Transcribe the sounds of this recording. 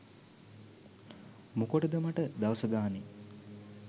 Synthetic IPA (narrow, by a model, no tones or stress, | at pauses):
mukoʈəd̪əmaʈəd̪aʋəsəɡaːni